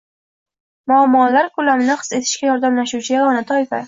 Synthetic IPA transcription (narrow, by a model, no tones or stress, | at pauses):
mʊamːɒlaɾkʰʊlamɪnɪqɨ̥se̞t̪ʰɪ̥ʃkʲajɒɾd̪amlaʃut͡ʃʰɪjaɒnat̪ʰɒjfa̰